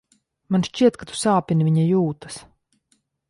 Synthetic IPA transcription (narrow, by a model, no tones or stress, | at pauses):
manʃt͡ʃiɛt̪kat̪u̥saːpʲiniviɲajuːt̪ḁs